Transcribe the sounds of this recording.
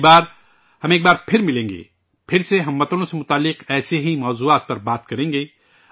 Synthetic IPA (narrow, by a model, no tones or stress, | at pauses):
baːɾ | hɐmeːk̚baːɾpʰɪɾmɪlẽːŋɡḛː | pʰɪɾseɦɐmːɐt̪əlõsemʊt̪aːlːɪqɛːseɦimɔːzuaːt̪̚pɐɾbaːt̪kɐɾẽːŋɡeː